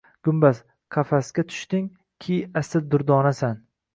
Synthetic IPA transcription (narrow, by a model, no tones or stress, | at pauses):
ɡ̥ʊmbas | qʰɑfasɡʲat̪ʰʊ̥ʃt̪ɪŋ | kʲʰiast̪ɪd̪ʊɾd̪ɒnasan